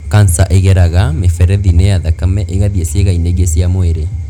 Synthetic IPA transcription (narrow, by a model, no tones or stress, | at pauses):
kansaʔeɣɛɾaɣamefɛɾɛðinejaðakamɛʔeɣaðiesieɣaineɣesiamoeɾe